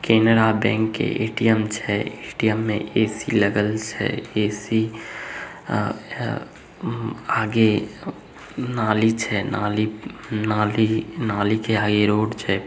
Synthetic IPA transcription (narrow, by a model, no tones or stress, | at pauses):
kenɾabɛ̃ːŋkːḛʔḛːʈijəmt͡ʃʰɛeʈijəmːḛ̃ʔeːsiləɡəlt͡ʃʰɛ̰eːsi | aːɡe | naːlit͡ʃʰɛna̰ːlinalinaːlikeaːɡeɾoːɽt͡ʃʰɛ